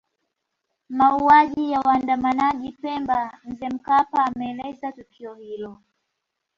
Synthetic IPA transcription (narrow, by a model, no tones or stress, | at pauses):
mauaʄijawaːndamanaʄipɛmbam̩zɛm̩kapaːmɛːlɛzatukʰiɔhilɔ